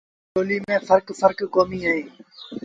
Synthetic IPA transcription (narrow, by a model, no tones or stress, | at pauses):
oːliːmẽːfəɾkfəɾkːoːmiːaːɦĩː